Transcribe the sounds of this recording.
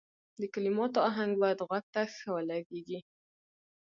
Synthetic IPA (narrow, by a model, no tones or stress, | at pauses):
d̪əkalimɑt̪oɑɦaŋɡ̚bɑjad̪ɣwaɡ̚t̪axkawəlaɡeɡi